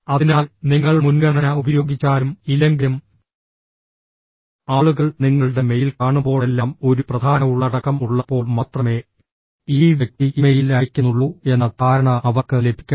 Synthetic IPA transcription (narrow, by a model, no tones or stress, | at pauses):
ɐðinaːlniŋːɐɭmunɡɐɳɐnɐubɐjo̞ːɡit͡ɕːaːɾumilɐŋɡɐm | aːɭuɣɐɭniŋːɐɭɨɽe̞me̞jilkaːɳubo̞ːɭe̞lːaːmo̞ɾuprɐd̪ʱaːnɐuɭːɐɽɐkːɐmuɭːɐpːo̞ːɭmɐt̪rɐme̞ː | iːʋjek̚t̪iimejilɐkʲːunːuɭːue̞nːɐt̪ʰaːɾɐɳɐʔɐʋɐrkɨlebʱi̥kʲːɐ